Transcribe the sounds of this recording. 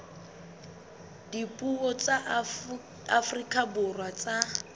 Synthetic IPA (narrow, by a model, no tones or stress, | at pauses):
dipʼuɔt͡sa | afrikʼabʊrwat͡sʼa